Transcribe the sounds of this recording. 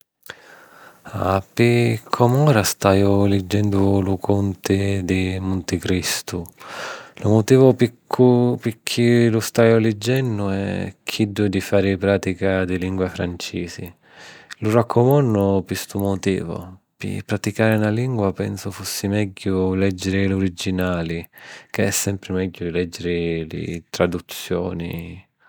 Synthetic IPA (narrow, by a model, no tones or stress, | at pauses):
a̰pɪkʰːɔmɔːɾast̪aːjʊlɛd͡ʒːɛnd̪ʊlukʰunt̪ɪd̪ɪmunt̪ɪkɾist̪u | lumʊt̪iːvʊpikʰːupɪkʰːilust̪aːjʊlɛd͡ʒːɛnːʊɛ̰kʰid̪ːʊd̪ifaːɾɪpɾaːt̪ikad̪iliŋɡwafɾant͡ʃiːsi | lurakʰːomɔnːʊpist̪umʊt̪ḭːvʊ̰ | pɪ̰pɾat̪ikaːɾɪnaliŋɡwapɛnsʊfusːimɛɟːʊlɛd͡ʒːeɾɪloɾid͡ʒːinaːlikeɛsːɛmpɾɪmɛɟːʊd̪ilɛd͡ʒːeɾɪlɪ̰t̪ɾad̪ut̪sːjɔ̰ːnḭ